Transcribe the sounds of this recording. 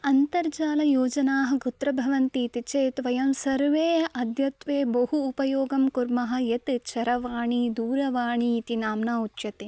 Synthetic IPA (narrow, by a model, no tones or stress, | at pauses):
ɐnt̪ɐɾd͡ʒaːlɐjoːd͡ʒɐnaːɦɐ̆ɡut̪ɾɐbʱɐʋɐnt̪it̪it͡ʃeːt̪ʋɐjɐmsɐɾʋeːɐd̪ʱjɐt̪ʋeːbɐɦuːpɐjoːɡɐmkuɾmɐɦɐ̆jet̪t͡ʃʰɐɾɐʋaːɳid̪uːɾɐʋaːɳiːt̪inaːmnaːut͡ʃjɐt̪e